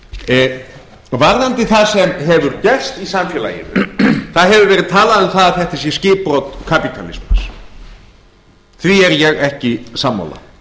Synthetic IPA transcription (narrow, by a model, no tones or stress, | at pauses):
vaɾðant̪ɪθaðsɛmɦɛvʏɾcɛr̥st̪isamfjɛla̰ɪ̰ɾʏ̰θaðɦɛvʏɾvɛːɾɪðt̪ʰaːlaðʏmθaðaðθɛht̪as̬jɛ̥scɪːpɾowt̪kʰapit̪ʰalḭsmas | θviɛɾjɛɣɛhcɪsamːa̰wla̰